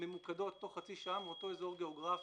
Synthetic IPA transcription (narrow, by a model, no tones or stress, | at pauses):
memukad̪o̞tːo̞χχat͡siʃaamʁot̪oezoʁɡe̞oɡʁaf